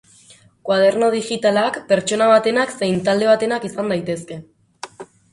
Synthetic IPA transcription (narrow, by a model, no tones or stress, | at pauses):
kwað̞e̞ɾno̞ð̞ixit̪alakpe̞ɾt͡ʃo̞naβ̞at̪e̞nakse̞jnt̪ald̪e̞β̞at̪e̞nakisand̪ajt̪e̞ske̞